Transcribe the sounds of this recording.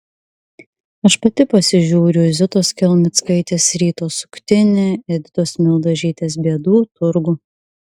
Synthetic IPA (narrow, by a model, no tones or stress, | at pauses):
ɐʃpɐt̪ʲɪpɐsʲɪʒʲuːɾʲʊzʲɪt̪oːskʲɛlʲmʲɪt̪skɐɪt̪ʲeːsɾʲiːt̪oːsʊ̥kt̪ʲɪnʲeːɛd̪ʲɪt̪oːsmʲɪlˠd̪ɐʒʲiːt̪ʲeːs̬bʲiɛd̪uːt̪ʊɾɡʊ